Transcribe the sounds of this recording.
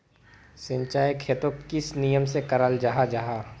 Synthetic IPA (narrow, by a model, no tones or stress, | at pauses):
sɪ̃ɲt͡ʃaːjkʰeːt̪okɪsnijəmsekəɾaːld͡ʒaɦad͡ʒaɦaː